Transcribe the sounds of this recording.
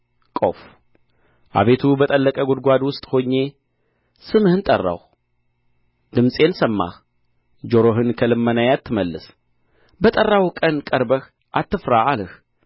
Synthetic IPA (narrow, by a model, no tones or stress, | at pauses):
kʼo̞f | ʔa̰βe̞t̪ʰubət̪ʼəlːəkʼəɡod̪ɡʷad̪wʊst̪ʼho̞ɲːe̞ | sɨmɨhɨnt̪ʼərːa̰w | d̪ɨmsʼe̞nsəmːa̰h | d͡ʒo̞ɾo̞ɦɨnkʰəlɨmːənajat̪ʰːɨməlːɨs | bət̪ʼərːawkʼənkʼəɾbəx | ʔat̪ʰːɨfɾaalɨx